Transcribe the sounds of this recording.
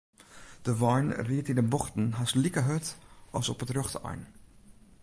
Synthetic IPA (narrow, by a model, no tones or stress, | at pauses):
d̥əʋɔjnriətindənbɔxtn̩ɦaslikəɦøtɑ̰sɔ̰pətrøxta̰jn